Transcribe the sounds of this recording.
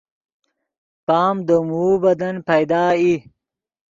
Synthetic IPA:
paːmd̪omuːbɐd̪ɐnpɐjd̪aːi

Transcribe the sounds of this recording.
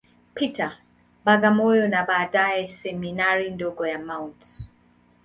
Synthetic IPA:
pita | baɡamɔjɔnabaːdajɛsɛminaɾindɔɡɔjamawnt

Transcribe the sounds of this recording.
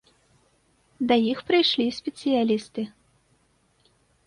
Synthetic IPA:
d̪ɐjixpɾɨjʂlʲisʲpʲɛt̪sɨjalʲist̪ɨ

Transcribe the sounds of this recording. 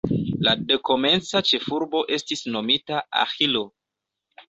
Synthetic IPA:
lade̞ko̞me̞nt͡sat͡ʃe̞fuɾbo̞ʔe̞stisno̞mitaa̰xilo̞

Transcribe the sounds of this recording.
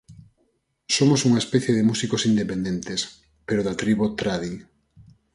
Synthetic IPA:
somosuŋaespɛθjeðemusikosind̪epend̪ent̪es | peɾoðat̪ɾiβut̪ɾaði

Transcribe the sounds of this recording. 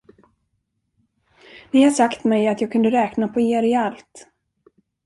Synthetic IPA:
nɪhaʂakt̪mɛjat̪jɑːɡ̚kʰɵnd̪əɾɛːknapʰɔeːɾɪalt̪

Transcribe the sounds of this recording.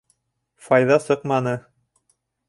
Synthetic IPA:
fɑjðɑsɤqmɑnɤ

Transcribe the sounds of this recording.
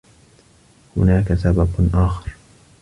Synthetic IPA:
hʊ̰naːkasababʔaːxɑɾ

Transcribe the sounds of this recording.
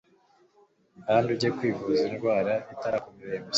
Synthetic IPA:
aanduɟekwiːvuzinɡwaːɾaitaɾakumiβemu

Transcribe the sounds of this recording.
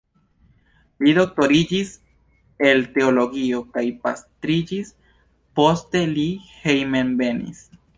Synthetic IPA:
lido̞k̚to̞ɾid͡ʒis | e̞lte̞olo̞ɡio̞kajpastɾid͡ʒis | po̞ste̞lihejmenbe̞nḭs

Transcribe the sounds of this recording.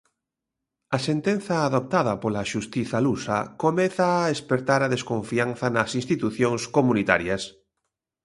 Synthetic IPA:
ɐsent̪en̟θɐːðop̚t̪aðɐpolaʃust̪iθalusa̰komeθaːðespeɾt̪aɾaðeskõɱfianθɐnɐsinst̪it̪uθjoŋskomunit̪aɾjas

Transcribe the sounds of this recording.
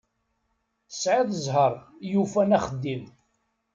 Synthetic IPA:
θə̥sʕiðˤəzˤɦəɾˤjufænæχəd̪ːim

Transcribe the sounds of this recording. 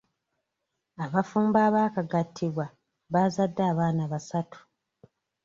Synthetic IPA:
aβafuːmbaːβaːkaɡatʰːiβwa | βazadːaːβaːnaβasatu̥

